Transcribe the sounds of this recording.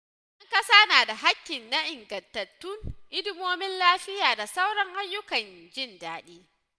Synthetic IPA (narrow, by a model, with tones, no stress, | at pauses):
ʔʔɐ˦ŋkɐ˦saː˦naː˨da˨ɦa˦kʲːɪ˨nːa˦ʔɪ˨ŋɡɐ˨ntɐ˨tːʊ˦ŋʔɪ˦dɪ˦moː˦mɪ˦nlaː˦ɸɪ˦jaː˨da˨sa˦wɽɐ˦ŋʔa˦jːʊ˦kɐ˨nd͡ʒɪ˦ndaː˦ɗiː˦